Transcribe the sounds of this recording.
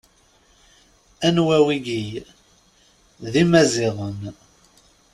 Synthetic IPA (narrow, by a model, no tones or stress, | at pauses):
ænwæwiɡij | ðimæziʁən